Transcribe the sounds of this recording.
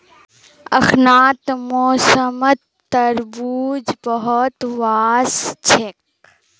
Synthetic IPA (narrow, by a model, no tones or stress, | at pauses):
ɐxnaːt̪moːsəmət̪ː | ɐɾbuːd͡ʒbɐɦɔt̪ʋaːst͡ʃʰek̚